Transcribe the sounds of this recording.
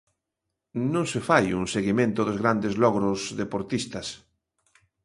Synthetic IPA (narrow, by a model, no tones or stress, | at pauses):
nõŋsefajuŋseɣimẽnt̪oðozɣɾand̪ezlɔɣɾozðepoɾt̪ist̪as